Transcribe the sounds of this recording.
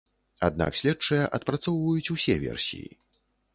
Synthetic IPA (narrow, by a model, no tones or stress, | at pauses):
ad̪̚na̰ksʲlʲɛt͡ʂːɐjɐʔɐt̪̚pɾat̪sɔwvɐjut͡sʲusʲɛvʲɛ̰rsʲḭjḭ